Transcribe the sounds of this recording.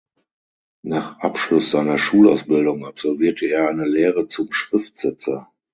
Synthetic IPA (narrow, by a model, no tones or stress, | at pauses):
naːχʔapʃlʊsz̥aɪnɐʃuːla̰ʊsb̥ɪldʊŋapz̥ɔlviːɐtʰəeːɐaɪnəleːʁət͡sʊmʃʁ̥ɪftz̥ɛt͡sɐ